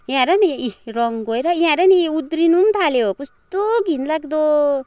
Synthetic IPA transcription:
jãɾʌniiɾɔŋɡojɾʌjãɾʌniud̪ɾinumt̪ʰaleokust̪oɡinlakd̪o

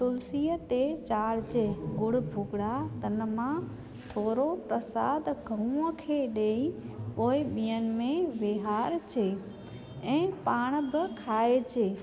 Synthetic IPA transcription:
t̪ʊlsijət̪et͡ɕaːɽt͡ɕʰeɡʊɽbʱʊɡɽat̪ənmã | t̪ʰoːɾopɾəsaːd̪ɡʱəũəkʰeɗeːĩpoːiɓijənmẽʋeɦaːɾt͡ʃʰeː | ɛ̃ːpaːɳ̃bɪkʰaːet͡ʃʰeː

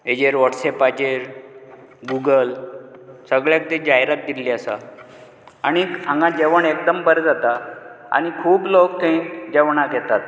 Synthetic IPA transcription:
ed͡ʑeɾʋəʈsepad͡ʑeɾ | ɡuɡəl | səɡɭjak̚t̪ed͡ʑaɦɾat̪̚d̪iliəsa̰ | aɽ̃iãŋɡãd͡ʑeʋəɳekd̪əmbəɾd͡zat̪a | a̰ñikʰuːblokt̪ẽĩd͡ʑeʋɳakɛt̪at̪

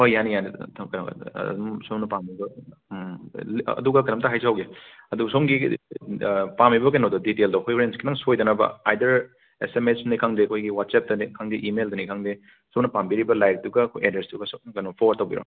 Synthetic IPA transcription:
ojjanijanitʰkɐna̰umsomnɐpamibɐ | ɐ̰duɡɐkɐnɐmtɐɦajsawɡeɐduɡsomɡi | pamibɐk̬enodɐditeldɐwkʰojpɾenskinaŋsojdɐnɐbɐ̰ajdɐɾ | esemesnikʰaŋdeɐkʰojɡiwat̚sep̚dɐnikʰaŋdiʔimeldɐnikʰaŋde | sonɐpambiɾibɐlajɾ̚duɡɐkʰojedɾesduɡɐskɐnopʰoɾtɐwɡḭɾo̰n

